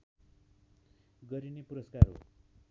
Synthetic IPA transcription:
ɡʌɾinepuɾʌskaro̰

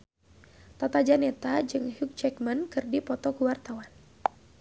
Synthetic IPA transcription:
t̪at̪ad͡ʒanɛt̪ad͡ʒɨŋhuk̚t͡ʃɛkmənkɨrdipɔt̪ɔkuwart̪awan

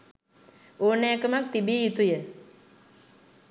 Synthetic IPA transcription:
oːnaːkəmak̚t̪ibiːjut̪ujə

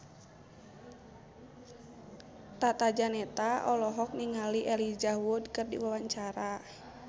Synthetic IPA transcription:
t̪at̪ad͡ʒanɛt̪aʔɔlɔɦɔk̚niŋaliʔɛlid͡ʒaudkɨrdḭwawaɲt͡ʃaɾa

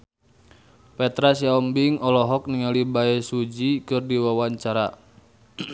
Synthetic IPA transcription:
pɛt̪ɾasiaɔmbiŋɔlɔɦɔk̚niŋalibaɛsud͡ʒikɨrdiwawaɲt͡ʃaɾa

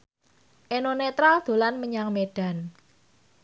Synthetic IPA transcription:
ʔenonet̪ɾald̪̥o̤lanməɲaŋmeɖ̥a̤n

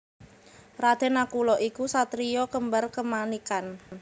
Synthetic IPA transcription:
rad̪̥ɛ̤nakulɔʔikusat̪ɾijɔkəmbərkəmanikan

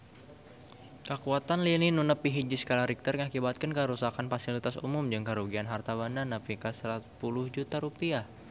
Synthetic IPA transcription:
kəkuat̪anlininunəpiɦid͡ʒiskalaɾik̚t̪ərŋakibat̪̚kənkəɾusakanfasilit̪asṵmʊmd͡ʒɨŋkəɾuɡianɦart̪abandanafikasɾat̪̚pulʊhd͡ʒut̪aɾupia

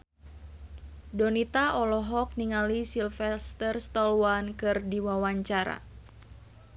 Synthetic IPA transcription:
dɔnit̪aʔɔlɔɦɔk̚niŋalisilfɛst̪ərst̪ɔlwankɨrdiwawaɲt͡ʃaɾa̰

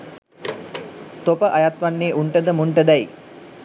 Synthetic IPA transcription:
t̪opəʔajat̪ʋanːeːʔuɳʈəd̪əmuɳʈəd̪æj

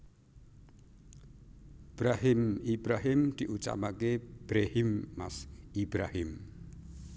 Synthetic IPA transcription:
b̥ɾaɦɪmibɾaɦɪmd̪̥iʔut͡ʃa̰makeb̥ɾehɪmːasibɾahɪm

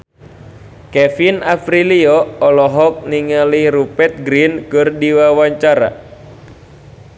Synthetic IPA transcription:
kɛfinafɾiliɔɔlɔɦɔk̚niŋalihɾupɛt̪̚ɡɾinkɨrdiwawaɲt͡ʃaɾa̰

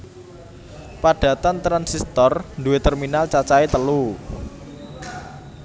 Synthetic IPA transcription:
paɖ̥ä̤t̪ant̪ɾansist̪ɔrnduwet̪ərminalt͡ʃat͡ʃaet̪əlu

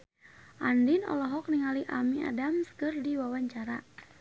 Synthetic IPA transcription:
ʔandinɔ̰lɔɦɔk̚niŋaliʔamia̰damsə̥kɨrdiwawaɲt͡ʃaɾa

